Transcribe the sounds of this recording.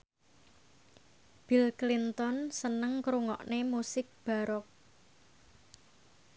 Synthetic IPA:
b̥ilklint̪ɔnsənəŋkɾuŋɔ̰ʔnemusɪk̚b̥a̤ɾɔk̚

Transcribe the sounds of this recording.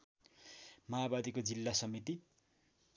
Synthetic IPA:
maːbad̪ikod͡zilːasʌmit̪i

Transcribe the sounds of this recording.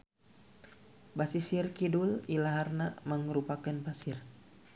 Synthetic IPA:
basisirkidulilaɦarnaməŋɾupakanpasir

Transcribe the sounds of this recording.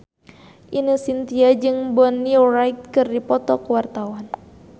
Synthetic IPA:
ʔinəsint̪iad͡ʒɨŋbɔnːiurajt̪̚kɨrdipɔt̪ɔkuwart̪awan

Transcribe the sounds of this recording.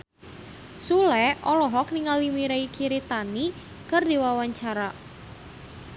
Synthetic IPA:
sulɛɔlɔɦɔkniŋalimiɾaikʰiɾet̪ani | kərdewawaɲt͡ʃaɾa

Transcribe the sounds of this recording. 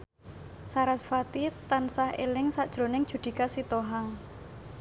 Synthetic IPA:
saɾasfat̪it̪ansahelɪŋsaʔd̥ʒ̥ɾo̤nɪŋd̥ʒ̥ṳd̪̥i̤kasit̪oɦaŋ

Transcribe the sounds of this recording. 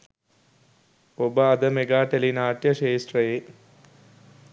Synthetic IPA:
obəɐd̪əmeɡaːʈelinaːʈjɐʃeːsʈrɐje

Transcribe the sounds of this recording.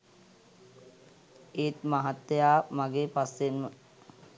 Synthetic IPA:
eːt̪maɦat̪ːejaːmaɡeːpasːenmə

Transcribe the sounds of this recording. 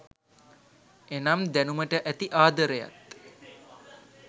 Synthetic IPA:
enamd̪ænuməʈəʔæt̪iʔaːd̪əɾəja̰t̪

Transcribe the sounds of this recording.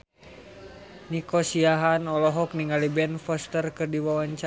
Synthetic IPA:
nikɔsiaɦanɔlɔɦɔk̚niŋalibɛnfɔst̪ərkɨrdiwawaɲt͡ʃa

